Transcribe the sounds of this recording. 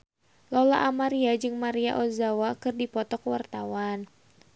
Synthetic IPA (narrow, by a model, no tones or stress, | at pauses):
lɔla̰ʔamaɾiad͡ʒɨŋmaɾiaʔɔzawakɨrdipɔt̪ɔkwart̪awan